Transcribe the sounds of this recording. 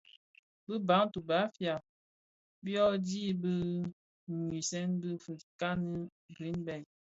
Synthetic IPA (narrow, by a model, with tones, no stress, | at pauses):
bə˦ba˨˦ŋtu˨ba˨˦fja˨p | bjɔ˦di˦bə˦ | ŋwi˨sɛ˦nbə˦fə˨ka˦nə˦ | bi˨˦nbɛ˨j